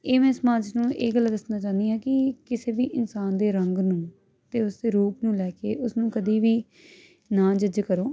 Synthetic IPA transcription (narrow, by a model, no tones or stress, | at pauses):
eːmɛ̃ːsmãːt͡ʃnũːʔeːɡəlːd̪ɪsnaːt͡ʃaːnd̪iːɦɛːkɪkɪseːʋiːʔɪnsaːnd̪eːɾəŋɡnũː | t̪eːʊsd̪eːɾuːpnũːlɛːkḛːʔʊsnũːkəd̪iːʋiː | nãːd͡ʒəd͡ʒkəɾoː